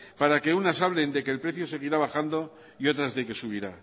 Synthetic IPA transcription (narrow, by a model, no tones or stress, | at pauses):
paɾake̞unasaβle̞nd̪e̞ke̞ːlpɾe̞θjo̞se̞ɣ̞iɾaβaxand̪o̞ | io̞t̪ɾazðe̞ke̞suβiɾa